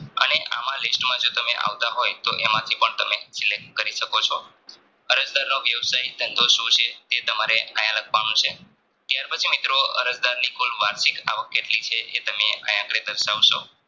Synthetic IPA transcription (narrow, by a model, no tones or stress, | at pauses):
ə̰neʔa̰mãlɪsʈmãd͡ʒot̪əmeʔa̰ʋt̪aɦojt̪oʔemãt̪ʰipəɳt̪əmesilek̚ʈkəɾiʃəkot͡ʃʰo | əɾəd͡ʒd̪aɾnoʋjəʋsaijd̪ʱə̃nd̪oʃũt͡ʃʰet̪et̪əmaɾeʔajãləkʰʋanũt͡ʃʰe | t̪jaɾpət͡ʃʰimit̪ɾoə̰ɾəd͡ʒd̪aɾnikʰulʋaɾʃika̰ʋəkːeʈlit͡ʃʰeʔet̪əmea̰jãkɽed̪əɾʃaʋʃo̰